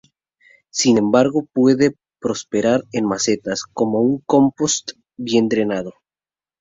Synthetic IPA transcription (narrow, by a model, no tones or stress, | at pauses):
sine̞mbaɾɣo̞pwe̞ðe̞ | pɾo̞spe̞ɾaɾenmase̞t̪asko̞mo̞uŋko̞mpost̪ | bje̞nd̪ɾe̞naðo̞